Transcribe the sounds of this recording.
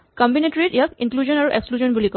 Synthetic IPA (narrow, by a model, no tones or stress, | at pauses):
kɔmbinetɹitijakiŋkluzɔnaɹuʔekskluzɔnbulikɔ